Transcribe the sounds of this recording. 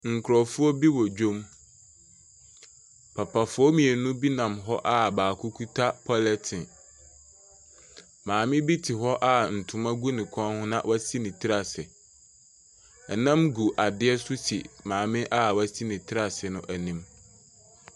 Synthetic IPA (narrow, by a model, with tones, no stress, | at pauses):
ŋ̩˨kʰɾɔ˨fʊ˦ɔ˦bi˦wɔ˨d͡ʑᶣõ˦m | pʰa˨pʰa˨fʊ˦ɔ˦mĩ˨ɛ˨nũ˦bi˦nã˨mɦɔ˦ʔa˨baː˨kʰʊ˦kʰu˦tʰa˦pʰɔ˦lɛ˦tʰɪ̃˨ | mãː˨mɪ̃˦bi˦tʰɪ˨ɦɔ˦ʔa˦˨n̩˨tʰʊ˨mã˦ɡu˦nɪ̃˨kʷʰɔ̃˦nhʊ̃˦nã˦wʔa˦si˦nɪ̃˨tʰɪ˦ɾa˨sɪ˨ | ɛ˨nã˦mɡu˨ʔa˨dɪ˦ɛ˦sʊ˦si˨mãː˨mɪ̃˦ʔa˦wæ˦si˦nĩ˨tʰɪ˦ɾa˨sɪ˨nʊ̃˦ʔæ˨nĩ˦m